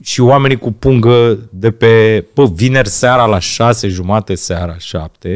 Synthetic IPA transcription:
ʃioame̞nikupuŋɡəd̪e̞pe̞bəvine̞rʲseaɾalaʃase̞ʒumat̪esaɾaʃa̰p̚t̪e̞

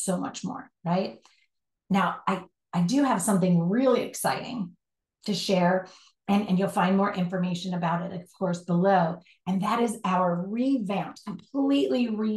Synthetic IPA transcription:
soʊmʌ̰t͡ʃmɔ̰ɹɹaɪt̚ | naʊʔaɪ | aɪdɨɨv̥sʌ̃mθɪ̃ŋɹɪlˠiɨ̰ksa̰ɪɾɪ̰̃ŋ | tʰɨʃɛɹ | ɨ̃nɨ̃njulˠfãɪ̃nmɔɹʔɪ̃ɱfə˞meɪʃɨ̃nɨbaʊɾɨɾʌvv̥kʰɔɹsb̥əloʊ | ɨ̃nðɨɾɨzaʊə˞ɹivãʊ̃ntkʰə̃m̩pʰliʔliɹi

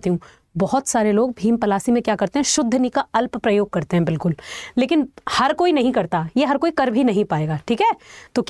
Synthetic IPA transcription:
t̪iɦũː | bɔɦɔt̪saːɾeloːɡ̚bʱiːmpɐlaːsimẽkjaːkɐɾt̪ẽɦɛ̃ʃʊd̪ʱːənikaɐlppɾɐjoːɡ̚kɐɾt̪eɦɛ̃bɪlkʊlːeːkɪnhɐɾkoːinɐɦĩkɐɾt̪ajeɦɐɾkoːikɐɾbʱinɐɦĩpaːeːɡaːʈʰiːkɦɛːt̪oːkj

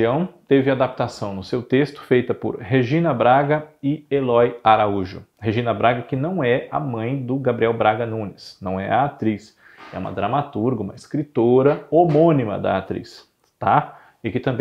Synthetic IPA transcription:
ɐ̃w̃t̪evɪad̪ap̚t̪asɐ̃w̃nʊsewt̪est̪ʊ̥fejt̪ɐpʊ̰ɾɦeʒĩnɐbɾaɡɐɪelɔjaɾauʒʊ̰ | heʒĩnɐbɾaɡɐkɪnɐ̃w̃ɛɐ̰mɐ̃j̃d̪ʊɡabɾiɛwbɾaɡɐnũnɪsnɐ̰̃w̃ɛ̰ɐat̪ɾis | ɛ̰ũmɐ̰d̪ɾɐmat̪uɾɡɐũmɐɪskɾit̪oɾɐomõnimɐ̰d̪ɐ̰at̪ɾḭs | t̪a | ɪkɪt̪ɐ̃mb

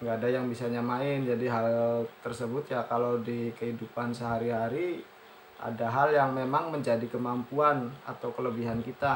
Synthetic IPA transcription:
ŋɡaːdajaŋbisaɲamaɪnd͡ʒadiɦalt̪ərsəbʊt̪̚jakalawdikəɦidupansəɦaɾiɦaɾi | ʔa̰daɦaljaŋmemaŋməɲd͡ʒadikəmampuana̰t̪awkələbiɦankit̪a

